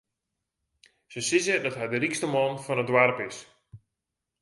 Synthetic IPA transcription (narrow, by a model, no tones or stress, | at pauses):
səsɪzədɔtɦɛjdərikstəmɔnfɔnədwarpɪs